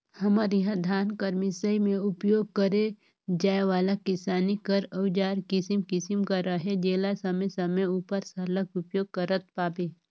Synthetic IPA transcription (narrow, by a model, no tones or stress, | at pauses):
hɐməɾɪɦãd̪ʱaːnkəɾmisəimẽʊpjoːɡ̚kəɾe | d͡ʒaːeʋaːlakɪsaːnikəɾəwd͡ʒaːɾkɪsimkɪsimkaɾaɦɛd͡ʒeːlasɐməsɐməuːpəɾsɐləkʊpjoːɡ̚kəɾət̪̚paːpeː